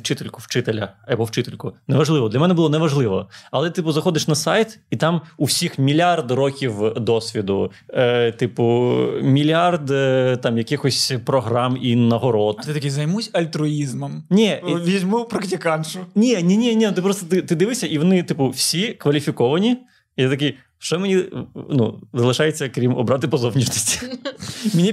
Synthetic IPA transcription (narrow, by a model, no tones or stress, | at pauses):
t͡ʃɪt̪elʲkʊwt͡ʃɪt̪elʲɐɛbɔwt͡ʃɪt̪elʲkʊnɛʋɐʒlˠɪʋɔd̪lʲɐmɛnɛbʊlˠɔnɛʋɐʒlˠɪʋɔ̰ɐlˠɛt̪ɪpʊzɐxɔd̪ɪʃnɐsɑjt̪it̪ɑmuwsʲixmʲilʲard̪rɔkʲiwd̪ɔsʲʋʲid̪ʊ | t̪ɪpʊmʲilʲard̪t̪ɑmjɐkɪxɔsʲpɾɔɦɾɑminɐɦɔɾɔt̪ɪt̪ɐkʲizɐjmusʲɐlʲt̪ɾʊizmɐmnʲɛʋʲizʲmupɾɐktʲikɑnʃʊnʲinʲinʲɛnʲɛnut̪ɪpɾɔst̪ɔt̪ɪt̪ɪd̪ɨʋɪsʲɐʔiʋɔnɪt̪ɪpʊwsʲikʋɐlʲifʲikɔʋɐnʲi | jɛt̪ɐki | ʃt͡ʃɔmenʲinṵzɐlˠɪʃɑjet͡sʲːɐkɾʲimɔ̰bɾɑt̪ɪpɔzɔwnʲiʃnɐsʲtʲi̥ | mʲinʲi